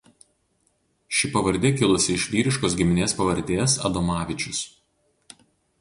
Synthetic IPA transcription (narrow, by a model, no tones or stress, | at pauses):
ʃʲɪpɐʋɐɾʲd̪ʲɛkʲɪlˠʊsʲɪɪʃʲʋʲiːɾʲɪʃkoːsɡʲɪmʲɪnʲeːspɐʋɐɾʲd̪ʲeːsɐ̰d̪ɔmɑːʋʲɪt͡ʃʲʊs